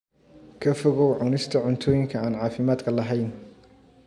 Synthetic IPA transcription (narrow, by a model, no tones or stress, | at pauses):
kʰɐfɔɣɔwʕʊnɪst̪ʰɐʕʊnt̪ʰɔːjɪŋkʰɐaːnʕɑːfɪmaːd̪kʰɐlɐɦɛjn